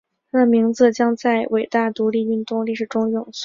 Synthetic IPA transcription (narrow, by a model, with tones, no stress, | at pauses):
a˥˩mi˧˥ŋd͡zɹ̩˥˧t͡ɕjɑ˥ŋt͡sa˥˩ɪwʔe˨˩ɪt̪a˥˩t̪u˧˥li˥˧y˥˧nt̪ʊ˥˧ŋli˥˩ʂɻ̩˨˩ʈ͡ʂʊ˥ŋjʊ˨˩ŋs